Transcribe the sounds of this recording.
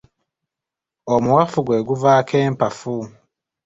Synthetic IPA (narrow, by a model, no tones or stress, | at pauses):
omuwafuɡweːɡuvaːkʰeːmpafu